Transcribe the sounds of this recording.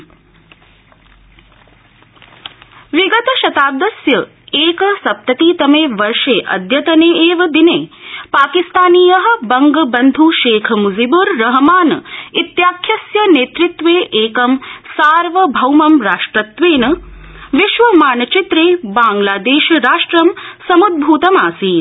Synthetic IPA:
ʋiɡɐt̪ɐʃɐt̪aːd̪ɐsjɐ | eːkɐsɐp̚t̪ɐt̪iːt̪ɐmeːʋɐɾʂeːʔɐ̰d̪ʱjɐt̪ɐneːeːʋɐd̪ineːpaːkist̪aːniːjɐɦɐ̆bɐŋɡɐbɐnd̪ʱuʃeːkʰɐmuzibuɾːɐɦɐmaːnɐit̪jaːkʰjɐsjɐneːt̪ɾit̪ʋeːʔeːkɐmsaːɾʋɐbʱɐwmɐmɾaːʂʈɾɐt̪ʋeːnɐ | ʋiʃʋɐmaːnɐt͡ʃit̪ɾeːbaːŋlaːd̪eːʃɾaːʂʈɾɐmsɐmud̪̚bʱuːt̪ɐmaːsiːn

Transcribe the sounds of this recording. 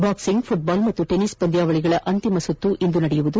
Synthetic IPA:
baːksiŋɡpʰuʈ̚baːlmɐt̪ːuʈenisbɐnd̪jaːʋɐɭiɡɐɭɐʔɐnt̪imɐsut̪ːuʔind̪unɐɽɛjuʋud̪u

